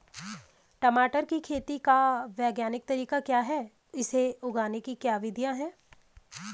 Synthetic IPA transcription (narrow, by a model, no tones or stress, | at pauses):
ʈɐmaːʈəɾkikʰeːt̪ikaʋɛːɡjaːnɪk̚t̪ɐɾiːkakjaːɦɛː | ɪseʊɡaːnekikjaːʋɪd̪ʱjãɦɛː